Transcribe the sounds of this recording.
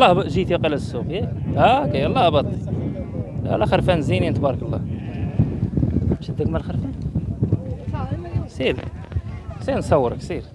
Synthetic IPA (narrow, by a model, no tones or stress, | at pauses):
lˤːɑhʒit̪iqəlæsːuqjæækijəlˤːɑhbɑd̪ˤli | æ̰lːæxəɾˤfænzininət̪bɑɾəkəlˤːɑ̰ | ʃid̪ːəkmælxəɾfæn | siɾ | siɾnsˤɑwːəɾəksˤiɾ